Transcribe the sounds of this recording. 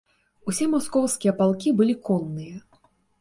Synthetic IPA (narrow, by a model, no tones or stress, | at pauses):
usʲɛmɔskɔwskʲijɐpalˠkʲibɨlʲikɔnːɨjɐ